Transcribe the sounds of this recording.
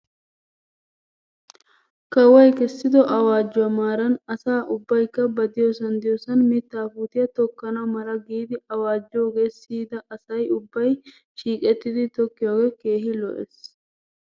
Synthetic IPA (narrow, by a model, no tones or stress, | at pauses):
kɐwɐjkɛsːɪd̪ɔʔɐwaːd͡ʒːɔɐmaːɾɐnɐsaːʔʊbːɐjkːɐbɐd̪ɪjɔsɐnd̪ɪjɔsɐnmɪt̪ːaːfuːt̪ɪjɐt̪ɔkːɐnɐmɐɾɐɡiːd̪ɪɐwaːd͡ʒːoːɡeːsiːd̪ɐʔɐsɐjʊbːɐj | ʃiːkʼɛt̪ːɪd̪ɪt̪ɔkːɪjoːɡɛkeːɦɪlɔ̰ʔɛ̰s